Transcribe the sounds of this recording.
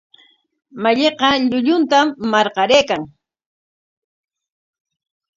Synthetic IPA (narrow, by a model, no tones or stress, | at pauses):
maʎeqɑʎʊʎʊnt̪amːɑɾqɑɾeːkaŋ